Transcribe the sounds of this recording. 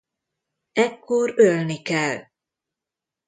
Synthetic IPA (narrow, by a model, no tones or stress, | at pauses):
ɛkːorølnikɛl